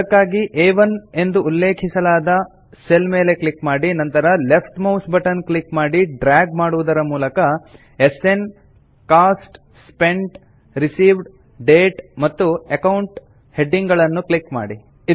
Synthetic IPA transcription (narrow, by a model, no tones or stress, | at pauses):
ɐkːaːɡiʔeːʋɐne̞nd̪uːlːe̞ːkʰisɐlaːd̪ɐ | selme̞ːle̞kɭikmaːɽinɐnt̪ɐɾɐlepʰʈmɐwsbɐʈɐnklikmaːɽiɖɾaːɡmaːɽuʋud̪ɐɾɐmuːlɐkɐ | ese̞n | kaːsʈ | spe̞ɳʈ | ɾisiːʋɖ | ɖe̞ːʈmɐt̪ːuekɐwɳʈ | he̞ɖːiŋɡɐɭɐnːukɭikma̰ːɽi